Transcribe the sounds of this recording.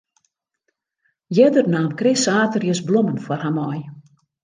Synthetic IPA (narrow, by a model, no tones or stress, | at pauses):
jɛdərnaːnkrɪsaːtərjəsblomənfwɔrhamɔj